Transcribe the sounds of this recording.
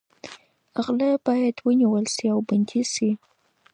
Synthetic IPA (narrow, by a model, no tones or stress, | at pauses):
aɣlab̥ɑjad̪wəniwəlsiawband̪isi